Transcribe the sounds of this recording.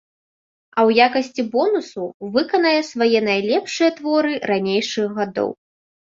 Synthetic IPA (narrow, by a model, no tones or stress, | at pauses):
ɐwjakɐsʲt͡sʲibɔnusuvɨkɐnɐjɛsvajɛnajlʲɛpʂɨjɐt̪vɔɾɨɾanʲejʂɨɣɣad̪ɔ̰w